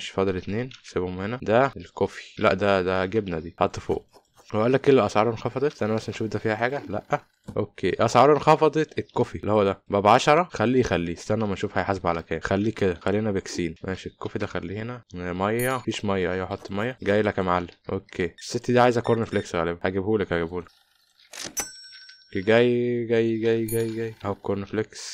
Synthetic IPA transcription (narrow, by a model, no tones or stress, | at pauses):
eʃfɑd̪ˤlet̪neːnsebomhenæd̪æelkofi̥læ̰ʔd̪æd̪æɡebnæd̪iːhɑt̪ˤːefo̰ːʔ | weʔælːækʔelːæʔæsˤʕɑɾˤenxɑfɑd̪ˤet̪ʔænæmæsælnʃuːfd̪æfiːhæħaːɡælæ̰ʔːæ | ʔokːeːʔɑsʕɑɾˤenxɑfɑd̪ˤet̪ekːofilːihowːæd̪æbæbʕɑʃɑɾˤɑxælːijxælːiːst̪ænːæmænʃuːfhæjħasebʕalækæːxælːiːked̪æxælːinæbeksiːnmæ̰ːʃiekːofid̪æxælːiːhenæmɑjːɑfiːʃmɑjːæʔæjːæħot̪ˤːmɑjːɑɡæːjlækæmaʕalːæʔokːeːesːet̪ːd̪iʕaːjezækoɾnfleksɣæ̰ːlebæhæɡebhuːlækhæɡebhuːlek | eɡæːjɡæjːɡæjːɡæjːɡæjːæhowækːoɾˤnfleks